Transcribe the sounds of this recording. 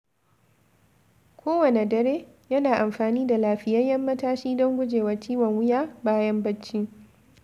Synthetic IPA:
kʷʰoː˦wɐ˨ne˨dɐ˨ɾeː˦ | jɐ˦naː˨ʔa˨mɸaː˨niː˦da˨laː˨ɸɪ˦jɐ˦jjɐ˦mːɐ˦taː˦ʃiː˦dɔ˦ŋɡʷʊ˦d͡ʒeː˨wɐ˨tiː˦wɐ˨ŋwʊ˦jaː˦baː˦jɐ˦mbɐ˦t͡ʃːi˦

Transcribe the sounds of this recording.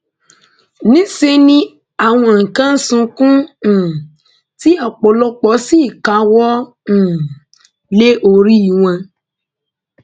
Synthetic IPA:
nĩ˦se˧nĩ˦ | a˦˨w̃ɔ̃˧˨ŋ̩˨kã˦n̩˦sũ˧kũ˦˨ | ti˦a˨k͡pɔ˨lɔ˦k͡pɔ˨˦si˦˨ka˨˦wɔ˦ | ñ̩˨ | le˦ʔo˨ɾi˦i˨w̃ã˧

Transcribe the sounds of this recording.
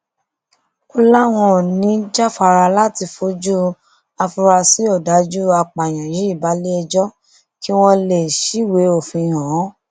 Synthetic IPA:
o˦la˦w̃ɔ̃˧˨nĩ˨˦d͡ʒa˦fa˧ɾa˧la˦ti˧fo˨˦d͡ʒu˦ | a˧fu˧ɾa˧si˨˦ɔ˦˨da˨˦d͡ʒu˦a˧k͡pa˨j̃ã˨ji˨˦i˦˨ba˨˦le˦ɛ˧d͡ʒɔ˦ | ki˦w̃ɔ̃˦le˨ʃi˨˦we˨˦o˦˨fĩ˧˨ɦɔ̃˨˦

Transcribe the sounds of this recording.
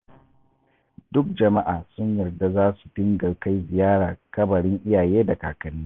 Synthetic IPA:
dʊ˦k̚d͡ʒɐ˨ma˦ʔaː˨sʊ˦ɲjɐ˨rda˦zaː˦su̥˨dɪ˦ŋɡɐ˨ka˦jzɪ˨jaː˦ɽaː˨kɐ˦bɐ˨ɽɪ˦ŋʔɪ˦jaː˨jeː˦da˨ka̰ː˨kɐ˦niː˦

